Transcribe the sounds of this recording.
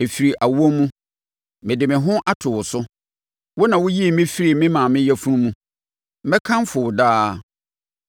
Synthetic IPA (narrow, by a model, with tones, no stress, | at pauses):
e˨fi˨ɾi˨ʔa˨wu˦o˦mːũ˦ | mɪ̃˨dɪ˨mɪ̃˨ɦʊ̃˦ʔa˦tʰʊ˨wʊ˨sʊ˦ | wʊ˦nã˨wʊ˦ji˦e˨mɪ̃˦fi˦ɾi˨mɪ̃˦mã˨mɪ̃˦jɛ˦fu˦ɾũ˦mũ˦ | mɛ̃˦kʰã˦mfʊ˨wʊ˨daː˦